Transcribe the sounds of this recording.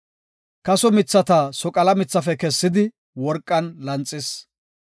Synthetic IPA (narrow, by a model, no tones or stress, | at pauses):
kɐsɔmɪt͡sːɐt̪ɐsɔkʼɐlɐmɪt͡sːɐfɛkɛsːɪd̪ɪ | wɔɾkʼːɐnlɐnt͡sʼːɪs